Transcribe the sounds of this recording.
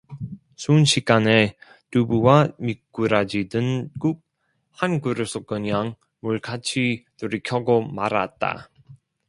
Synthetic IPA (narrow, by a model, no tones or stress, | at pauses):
sʰunɕʰiɡane | tubuwamik͈ːuɾad͡ʑidɯnɡuk̚ | hanɡuɾɯs͈ʰok͈ɯɲaŋ | muɭkʰat͡ɕʰituɾikʰjʌɡomaɾa̰t̚t͈a̰